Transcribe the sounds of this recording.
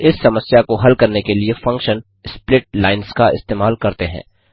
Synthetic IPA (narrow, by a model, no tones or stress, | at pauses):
ɪsːɐməsjakoɦɐlkɐɾnekeliefɐ̃ŋkʃən | splɪʈ̚laːɪnskaɪ̰st̪eːmaːlkɐɾt̪eɦɛ̰̃ː